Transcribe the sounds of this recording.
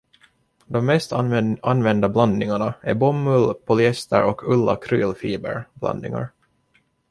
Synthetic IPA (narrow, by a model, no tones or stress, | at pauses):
d̪ɔmːɛst̪anvɛnd̪abland̪nɪŋaɳaæɾbɔmːɵlpʰɔlʏɛst̪ə̰ɾɔkʰɵlːa̰kʰɾyːlfiːbə̰ɾb̥lʔa̰nd̪nɪŋa̰ɾ